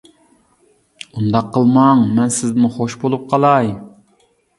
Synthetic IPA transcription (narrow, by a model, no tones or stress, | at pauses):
und̪ɑqʰːəlˠmɑŋmɛnsɪzmʊχoʃbolˠup̚qʰɑlˠɑj